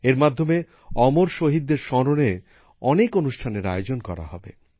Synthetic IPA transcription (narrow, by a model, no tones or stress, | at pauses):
eɾmad̪ʱːome | ɔmoɾʃoɦid̪ːeɾʃɔɾone | ɔnekonuʃʈʰaneɾa̰jod͡ʑonkɔ̰ɾa̰ɦɔ̰bḛ